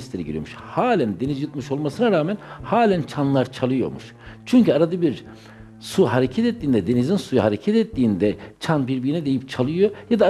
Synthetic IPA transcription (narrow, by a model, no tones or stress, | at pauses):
st̪lʲeɾiɟiɾijo̰muʃhaːlʲænd̪e̞nizjɯt̪mɯʃo̞lˠmasɯnaɾaːmænhaːlʲænt͡ʃʰanlˠaɾt͡ʃʰalˠɯjo̞̰muʃ | t͡ʃʰyɲcyaɾad̪ɯbiɾ | suɦaɾecʰɛt̪ɛt̪ːiːnd̪ɛd̪e̞nizinsujuhaɾecʰɛt̪ɛt̪ːiːnd̪ɛt͡ʃʰanbiɾbijinɛd̪e̞jip̚t͡ʃʰalˠɯjo̞jad̪a